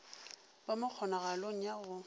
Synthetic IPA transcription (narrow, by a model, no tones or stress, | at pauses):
b̥amʊk͡xʰɔnaɣaloŋ̩jaɣʊ